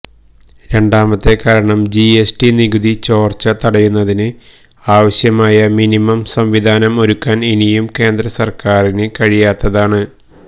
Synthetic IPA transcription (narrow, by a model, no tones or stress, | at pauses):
ɾe̞ɳɖaːmɐt̪ːe̞kaːɾɐɳɐmd͡ʑiesʈiniɡuðit͡ɕo̞ːrt͡ɕɐt̪ɐɽɐjunːɐðinɨ | aːʋɐɕjɐmaːjɐminimɐmsɐmʋid̪ʱaːnɐmo̞ɾukːaːnenijumke̞ːnd̪ɾɐsɐrkaːrinɨkɐɻijaːt̪ːɐðaːɳɨ